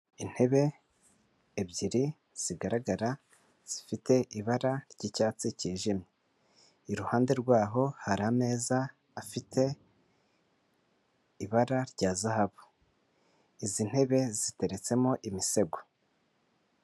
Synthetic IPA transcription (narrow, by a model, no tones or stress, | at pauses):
in̥he̞βe̞ | bɟiɾi | z̥iɡaɾaɡaɾa | z̥ifite̞ʔiβaɾaɾɟicaːt͡siciːʒimɲe | iɾuhaːnde̞ɾɡwaːɦo̞haɾame̞ːzaː | fitʰe̞ | iβaɾaɾɟaːzahaβo | izin̥he̞βe̞zite̞ɾe̞t͡se̞moʔimise̞ɡo